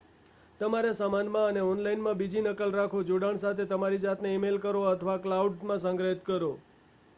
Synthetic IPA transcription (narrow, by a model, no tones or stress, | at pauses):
t̪əmaɾesamanmãəneɔnlainmãbid͡ʒinəkəlɾakʰod͡ʒoɽaɳsat̪ʰet̪əmaɾid͡ʒat̪neimelkəɾoət̪ʰəʋaklauɖmãsə̃ŋɡɾəɦit̪kəɾo